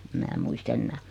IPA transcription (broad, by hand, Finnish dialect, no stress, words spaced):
em mæː muist enːæː